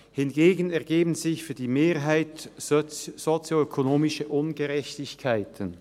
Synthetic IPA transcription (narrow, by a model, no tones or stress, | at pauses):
hɪnɡeːɡənɛɐɡ̥eːbən̩zɪçfyːɐdiːmeːɐɦaɪt | z̥ot͡sjoøkʰonoːmɪʃəʔʊnɡəʁɛçtɪçkʰaɪtʰən